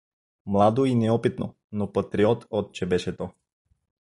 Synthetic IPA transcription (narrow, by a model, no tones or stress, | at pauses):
mlˠad̪oinɛɔpit̪no | nopɐt̪ɾiɔt̪ɔt̪̚t͡ʃɛbɛʃɛt̪ɔ